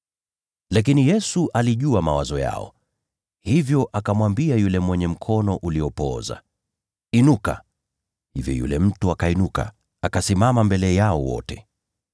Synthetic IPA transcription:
lak̬inijɛsuʔaliʄuamawazɔja̰ɔ̰ | hivjɔʔakamwambiajulɛmwɛɲɛm̩kʰɔnɔʔuliɔpɔ̰za̰ | inuka̰ | hivjɔ̰jṵlɛm̩tuakainuka̰ | akasimamambɛlɛjaɔ̰wɔ̰tɛ

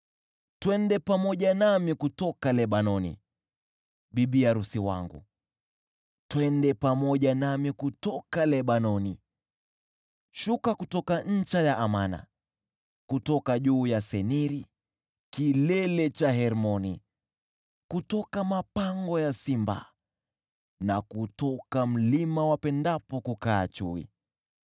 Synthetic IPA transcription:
twɛndɛpamɔʄanamikutɔkalɛɓanɔnḭ | ɓiɓiaɾusiwa̰ŋɡṵ | twɛndɛpamɔʄanamikutɔkalɛɓanɔni | ʃukakutɔkaɲ̩t͡ʃajaʔamana̰ | kutɔkaʄuːjasɛniɾi | kilɛlɛt͡ʃaɦɛɾmɔni | kutɔkamapaŋɡɔjasimba̰ | nakutɔkam̩limawapɛndapɔkukaːt͡ʃuḭ

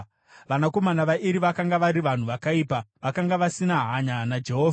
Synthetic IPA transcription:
ʋanako̞manaʋaʔiɾiʋakaŋɡaʋaɾiʋan̤uʋakaipaʋakaŋɡaʋasinaɦaɲanad͡ʒe̞ɦoːvʱa

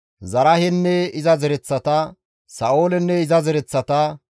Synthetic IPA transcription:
zɐɾɐhɛnːɛɪzɐzɛɾɛt͡sːɐt̪ɐ | sɐʔoːlɛnːɛɪzɐzɛɾɛt͡sːɐt̪ɐ

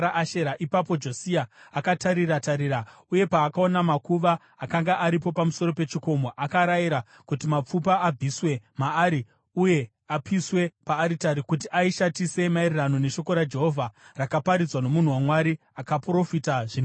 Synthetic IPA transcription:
aʔaʃeɾaʔipapo̞d͡ʒosiaːkataɾiɾataɾiɾa | uje̞paːkao̞namakuʋaː | kaŋɡaʔaɾipo̞pamuso̞ɾo̞pe̞t͡ʃiko̞mo̞ʔakaɾajiɾa | kutimap͡fupaːb͡vʱiswe̞maːɾi | uje̞ | apiswe̞paːɾitaɾikut̬iʔaiʃatise̞mairirano̞ne̞ʃo̞ko̞ɾad͡ʒe̞ɦo̞vʱarakapaɾid͡zwano̞mun̤uwamwaɾi | akapro̞fitaʐin

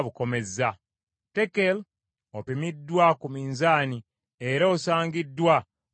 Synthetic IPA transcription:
βuko̞me̞za | tekel | opimidːwakumiːnzaːni | e̞ɾaosaːŋɡidːwa

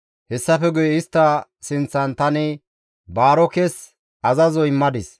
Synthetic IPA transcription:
hɛsːɐfɛɡʊjɛɪst̪ːɐ | sɪnt͡sːɐnt̪ɐnɛ | baːɾɔkɛs | ɐzɐzɔjɪmːɐd̪ɪs

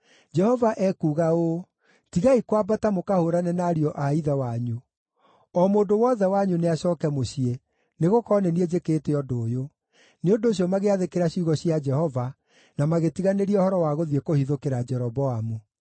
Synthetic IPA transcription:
d͡ʒɛhɔvaʔɛkuɣaoː | tiɣaikwabatamokahoɾanɛnaɾiɔʔaiðawaɲu | ɔmoːndowɔðɛwaɲuneaɕɔːkɛmoɕie | neɣokɔnɛnied͡ʒekeːteɔdoːjo | neondoːɕ̬ijɔmaɣeaðekeɾaɕuːɣɔɕiad͡ʒɛhɔva | namaɣetiɣaneɾiɛohɔɾɔwaɣoðiekohiðokeɾad͡ʒɛɾɔbɔamu

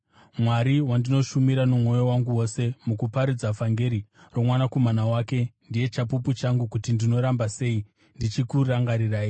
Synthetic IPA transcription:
mwaɾiwandino̞ʃumiɾanumwo̞jowaŋɡuwo̞se̞mukupaɾid͡zafaŋɡe̞ɾiromwanakomanawaːke̞ndije̞t͡ʃapuput͡ʃaŋɡukutindino̞ɾambase̞i | ndit͡ʃikuraŋɡaɾiraːi

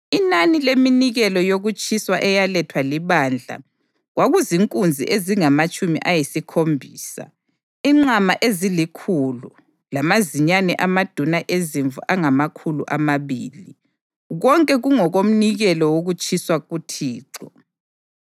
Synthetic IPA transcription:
inanileminiɣɛlɔjoɣut͡ʃʼʰiswaʔɛjalɛtʰwaliβand͡ɮʱa̰ | ɣwaɣuziŋkʼund͡zʱḭʔeziŋamat͡ʃʼumḭʔajisikʰombʱiːsa̰ | iŋ͡ǀamaʔezilikʰulu | lamaziɲanɛʔamad̥ʱunaʔeziɱvuʔaŋamakʰulṵʔamaβiːli | ɣɔŋkʼɛɣuŋɔɣom̩niɣɛlɔwoɣut͡ʃʰʼiswaɣutʰiːǀɔ

